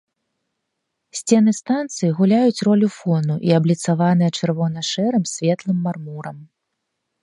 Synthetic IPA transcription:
sʲt͡sʲɛnɨst̪ant̪sɨjiɣulʲajut͡sʲrɔlʲufɔnuʔiɐblʲit̪savan̪ɨjɛt͡ʂɨrvɔnɐʂɛɾɨmsʲvʲɛt̪lˠɨmːarmuɾɐm

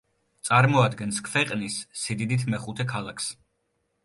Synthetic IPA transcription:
t̪sʼaɾmɔad̪ɡɛnskʰvɛqʼnisːid̪id̪it̪ʰmɛχut̪ʰɛkʰalˠakʰs

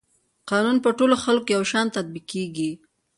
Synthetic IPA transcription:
qɑnunpəʈoloxalkojawʃɑnt̪ad̪̚biqeɡi

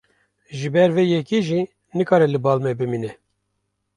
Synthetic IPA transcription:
ʒɨbɛɾvejɛkiʒi | nɨkʰɑːɾɛlɨbɑːlmɛbɨmiːnɛ

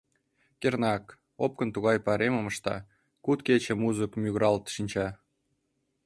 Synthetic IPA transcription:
kʲernɑk | op̚kə̆nt̪uɣɑjpɑɾemɤ̆mɤ̆ʃt̪ɑ̰ | kut̪kʲet͡ɕĕmuzəkmʲyɣɾɑlt̪ʃinʲt͡ɕɑ

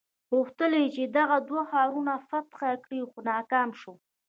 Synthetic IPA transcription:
ɣuxt̪əlet͡ʃed̪aɣad̪waxɑɾunafat̪xakɽixonɑkɑmʃo

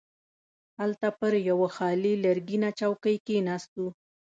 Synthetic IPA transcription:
halt̪apəɾjawaxɑlilaɾɡinat͡ʃawkəjkenɑst̪u

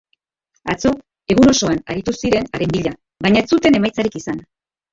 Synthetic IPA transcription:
at͡so̞ | e̞ɣ̞uno̞so̞ana̰ɾit̪usiɾe̞naɾe̞mbiʎa | baɲaet͡sut̪e̞ne̞majt͡saɾikisan

